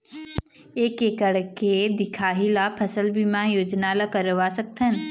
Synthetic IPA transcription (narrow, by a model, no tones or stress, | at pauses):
ekekəɽked̪ɪkʰaːɦilapʰəsəlbimãjoːd͡ʒnalakəɾʋasɐk̚t̪ʰənɪ̆